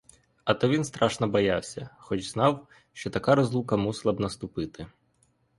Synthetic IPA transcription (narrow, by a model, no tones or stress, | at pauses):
ɐt̪ɔʋʲinst̪ɾɑʃnɔbɔjɑwsʲɐxɔt͡ʃznɑw | ʃt͡ʃɔt̪ɐkɑɾɔzlˠukɐmuslˠɐbnɐst̪ʊpɪt̪ɪ